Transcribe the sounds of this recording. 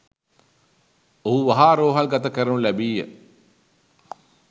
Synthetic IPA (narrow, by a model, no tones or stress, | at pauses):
oɦuʋaɦaːɾoːɦalɡat̪əkəɾənulæbiːjə̰